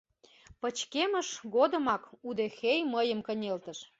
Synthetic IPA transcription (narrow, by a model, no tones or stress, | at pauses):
pət͡ɕkeməʃɣod̪ə̆mɑkud̪exejməjəmkənʲelt̪əʃ